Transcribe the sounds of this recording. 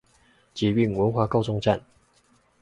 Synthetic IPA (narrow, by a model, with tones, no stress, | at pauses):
t͡ɕɛ˨˩y˥˨ŋwə˧˥nxwa˥˧kɑ˥˧ʊt͡sʊ˥˧ŋʈ͡ʂa˥˨n